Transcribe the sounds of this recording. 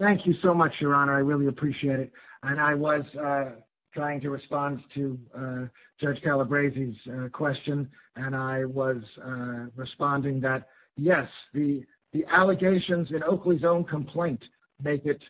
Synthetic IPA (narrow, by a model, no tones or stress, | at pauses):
θæ̃ŋkʰjɨsoʊmʌt͡ʃjə˞ɑnə˞aɪɹɪlˠiɨpʰɹ̥iʃieɪɾɨɾ̚ɨ̃naɪwʌz̥ | tʰɹ̥aɪɪ̃ŋtɨɹɨspɑ̃ntʰɨ̥ | d͡ʒ̥ʌɹ̥d͡ʒ̥kʰælˠəbɹeɪziz̥kʰw̥ɛst͡ʃɨ̃nɨ̃naɪwʌzɹɨspɑ̃ndɪ̃ŋðɨt̚ | jɛsði | ðiʔælˠəɡeɪʃɨ̃nzɨ̃noʊklizõʊ̃nkʰə̃mpʰl̥ẽɪ̃nʔ | meɪkɨt̚